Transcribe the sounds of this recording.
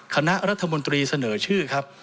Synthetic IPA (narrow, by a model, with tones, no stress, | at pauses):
kʰa˧na˦˥ʔɾa˦˥t̪ʰːa˧mo˧nt̪ɾiː˧sa˧nɤː˩˦t͡ɕʰɯː˥˩kʰa˦˥p̚